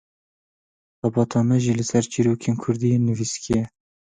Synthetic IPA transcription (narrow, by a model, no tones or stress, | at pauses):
xɑbɑːt̪ɑːmɛʒilɨsɛɾt͡ʃiːɾoːkʰeːnkʰʊɾd̪ijeːnːɨviskijɛ